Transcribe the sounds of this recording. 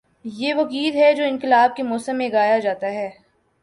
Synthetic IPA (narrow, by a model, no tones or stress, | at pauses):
jeːʋɐkiːlɦɛd͡ʒoːɪnkɪlaːb̚kemɔːsəmːẽɡaːjad͡ʒaːt̪aɦɛː